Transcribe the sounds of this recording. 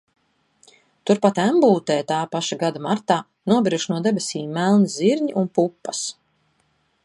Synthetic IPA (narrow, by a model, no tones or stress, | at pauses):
t̪uɾpat̪æmbuːlˠt̪ɛːt̪aːpaʃaɡad̪amaɾt̪aː | nuɔbiɾuʃnuɔd̪ɛbɛsiːmːælˠniziɾɲiʔunpupːɐs